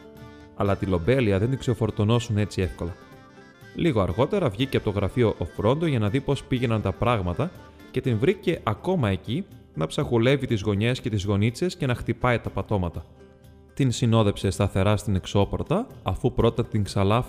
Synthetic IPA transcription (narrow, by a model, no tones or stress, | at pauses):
ɐlɐt̪ilo̞be̞liɐðend̪ikseofo̞ɾt̪ono̞sune̞t͡sie̞fko̞lɐ | liɣoɐɾɣo̞t̪e̞ɾɐvʝiceɐpot̪oɣɾɐfio̞ʔofɾo̞nd̪oʝɐnɐðipo̞spiʝe̞nɐnt̪ɐpɾɐɣmɐt̪ɐ | ce̞t̪invɾice̞ʔɐko̞mɐe̞cinɐpsɐxule̞vit̪izɣo̞ɲe̞sce̞t̪izɣo̞nit͡se̞sce̞nɐxt̪ipɐit̪ɐpɐt̪o̞mɐt̪ɐ | t̪insino̞ðe̞fse̞st̪ɐθe̞ɾɐst̪ine̞kso̞po̞ɾt̪ɐːfupɾo̞t̪ɐt̪iŋksɐlɐf